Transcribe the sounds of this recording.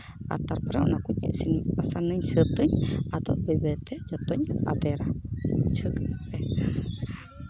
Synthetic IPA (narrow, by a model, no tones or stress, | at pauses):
ʔa̰t̪arpəɾɛṵnakuɲə̰ʔsinpasanəɲsət̪əɲat̪awbebɛt̪ɛd͡ʒɔt̪ɔɲa̰t̪ɛɾat͡ʃəkɛ